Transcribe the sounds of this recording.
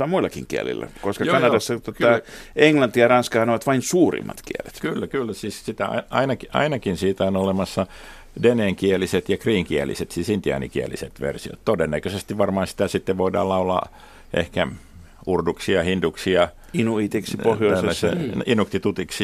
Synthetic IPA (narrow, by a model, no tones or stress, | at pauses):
ɑmuilːˑɑkiŋkiæ̰lḭlːæ̰koskɑkɑnɑdɑsːɑt̪ot̪ɑeŋlɑnt̪ijɑrɑnskɑhɑnoʋɑt̪ʋɑinsuːrḭmːɑ̰t̪kiæ̰lḛt̪kylːækylːæsiːssit̪æɑ̰ʔɑ̰inɑkiʔɑ̰inɑkinsiːt̪æonolemɑsːɑ | deneːŋkiæliset̪jɑkriːŋkiælḭset̪siːsint̪iɑ̰nḭkiæ̰lḭset̪ʋḛrsio̰t̪t̪odenːækøsest̪iʋʋɑrmɑːnsi̥t̪æsit̪ːeʋʋoidɑ̰ːlɑulɑ̰ | ʔḛhkæ | urduksiɑhind̪uksiɑ | inuit̪iksipohjoˑseæsḛinukt̪it̪ut̪iksi